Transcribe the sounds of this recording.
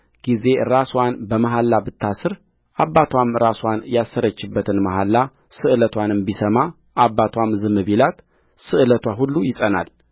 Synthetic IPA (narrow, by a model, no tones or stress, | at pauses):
ɡ̥ize̞ɾaswanbəmaɦalːabɨt̪ʰːasɨɾ | ʔabːat̪ʰwamɾaswanjasːəɾət͡ʃːɨbːət̪ʰɨnmaɦalːa | sɨʔɨlət̪ʰwanɨmbisəma | ʔabːat̪ʰwamzɨmɨβilat̪ | sɨʔɨlət̪ʰwaɦulːujɪsʼəna̰l